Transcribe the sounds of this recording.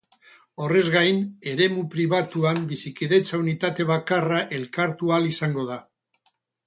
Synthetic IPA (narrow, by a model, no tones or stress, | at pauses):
o̞re̞zɣajne̞ɾe̞mupɾiβat̪uambisikiðe̞t͡saunit̪at̪e̞β̞akaraʔe̞lkaɾt̪ualisaŋɡo̞ð̞a